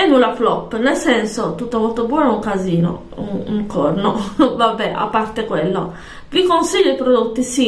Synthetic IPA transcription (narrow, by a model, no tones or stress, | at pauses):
ɛnulaflɔpːnelsɛnsot̪ut̪ːovot̪ːobwɔːnouŋkaziːno̰ | uuŋkɔrnovabːɛa̰pːart̪ekwelːo | vikonsiʎːoipɾod̪ut̪ːisi